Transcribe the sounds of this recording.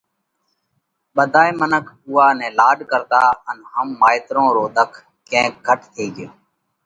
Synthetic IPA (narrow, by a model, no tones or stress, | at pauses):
ɓəd̪ʱaːeːmənəkʰuːaːnɛ̃ːlaːɖkəɾd̪aːənɦəmːaːɪt̪ɾõːɾoːd̪əkʰ | kẽːk̚ɡʱəʈt̪ʰeːɡɪjoː